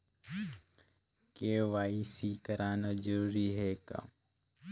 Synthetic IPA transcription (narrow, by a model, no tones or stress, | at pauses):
keːʋaːisiːkəɾaːnazəɾuːɾiːɦeːka̰